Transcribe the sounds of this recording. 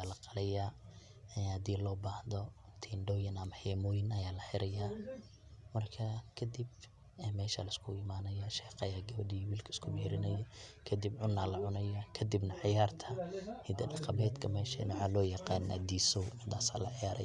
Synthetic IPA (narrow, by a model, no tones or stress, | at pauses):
aːlɐqɑlɛja | ɛnhɐd̪iːlɔːbaːhðɔt̪ʰiːnɖɔwjɪnɐmɐhɛːmɔːjɪnɐjaːlɐħɪɾɐjaː | mɐrkʰɐkʰɐd̪ib | ɛmɛːʃɐlɐɪskʰʊɪmaːnɐjɐʃɛːqɑjaːɡɐβɐdiwiːlkʰɐɪskʰʊmɛːɾɪnɐjɐkʰɐd̪ɪbʕʊnːaːlɐʕʊnɐjɐkʰɐd̪ɪbnɐʕɪjaːrt̪ʰɐhɪd̪ɐɖɑqɑmɛːd̪kʰɐmɛːʃɐnwħaːlɔːjɑqɑːna̰d̪iːsɔwʔɪd̪aːsa̰ːlɐʕɪjaːɾɐ̰j